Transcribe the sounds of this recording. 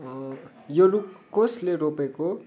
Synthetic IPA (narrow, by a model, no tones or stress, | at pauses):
jolukkosleɾopeko